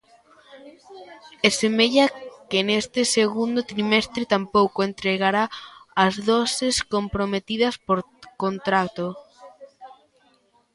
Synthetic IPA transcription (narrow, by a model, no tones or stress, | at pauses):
ɛsemeʎɐkenest̪ɪseɣund̪ot̪ɾimɛst̪ɾɪt̪ampowkoent̪ɾeɣaɾaːzðɔsɪskompɾomet̪iðɐspoɾ | kont̪ɾat̪o